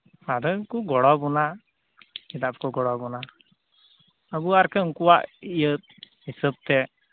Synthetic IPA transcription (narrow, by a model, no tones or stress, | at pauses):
ad̪əkuɡɔɽɔbuna | id̪apkɔɡɔɽɔbuna | əbuaɾkeŋkuwa̰ʔijət̪̚ | ɦisəb̚t̪ɛ